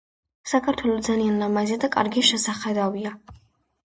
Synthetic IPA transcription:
sakʰaɾt̪ʰwɛlˠɔd̪zalianlamaziad̪akʼa̰ɾɡiʃɛsaχɛd̪avia

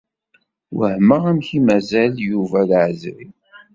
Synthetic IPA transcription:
wəhməʁæmçimæzæljuvælʕəzɾi

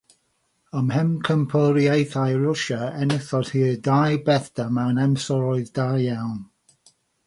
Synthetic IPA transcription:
əmhɛmkʰəmpʰəɾiejθajɹʊʃaɛnɪθɔd̥hiːdajbɛθdəmɛwnɛmsɔɾɔɨðdajawn

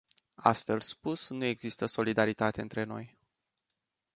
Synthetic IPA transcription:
a̰st̪fe̞lspusnue̞ɡzist̪əso̞lid̪aɾit̪at̪e̞ɨnt̪ɾe̞no̞̰j

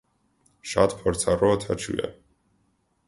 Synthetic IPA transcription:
ʃat̪ʰpʰɔɾt̪sʰaɾɔt̪ʰat͡ʃʰṵɛ̰

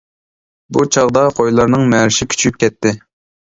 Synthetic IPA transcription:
but͡ʃʰɑʁd̪ɑqʰojlˠɑɾnɨŋmɛɾɪʃɪkʲʰy̥t͡ʃʰyp̚kʲʰɛt̪ʰːɪ

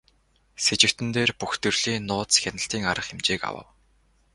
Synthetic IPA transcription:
set͡ɕɪ̆w̥t̪ɘ̆nt̪eːrpuxt̪ɵ̆rɮ̥iːnːʊːt͡sxʲanə̆ɬt̪iːŋaɾə̆χemt͡ɕeːka̰wə̰̆w

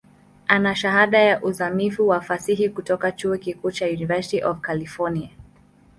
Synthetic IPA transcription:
ʔanaʃaɦaɗajaʔuzamifuwafasiɦikutɔkat͡ʃuɔkikuːt͡ʃajunivɛsitiʔɔvkalifɔnia

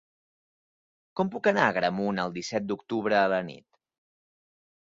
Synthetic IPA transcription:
kɔmpukənaəɣɾəmunəlˠd̪isɛt̪̚d̪ukt̪uβɾəːlənḭt̪

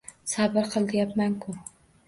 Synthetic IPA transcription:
sabɪɾqʰɨlˠd̪ɪjapmankʰʊ

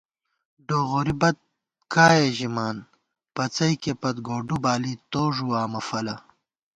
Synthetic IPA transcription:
ɖoːɣoɾibɐt̪̚ | kaːjeʑimaːn | pɐt͡sɐjkepɐt̪ɡoːɖubaːlit̪oːʐuaːmɐfɐlɐ

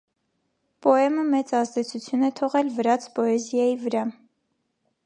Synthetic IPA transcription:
pɔɛməmɛt͡sɑzd̪ɛt͡sʰut͡sʰjunɛt̪ʰɔʁɛlvəɾɑt͡spɔɛzjɑjivəɾɑ

